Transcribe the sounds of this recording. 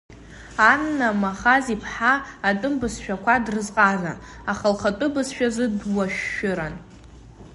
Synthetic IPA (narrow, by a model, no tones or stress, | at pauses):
anːamaχazipʰħaːtʼɨmbɨsʃᶣakʷadrɨzqʼazʷa̰ | aχalχatʼʊbɨsʃᶣazɨdwaʃːʊɾan